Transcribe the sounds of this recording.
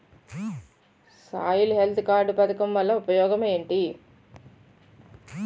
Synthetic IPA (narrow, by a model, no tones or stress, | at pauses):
sa̰ːjuluɦe̞lt̪ʰukaːɾɖupɐt̪ɐkɐmʋɐlːɐupɐjɔːɡɐme̞ːɳʈi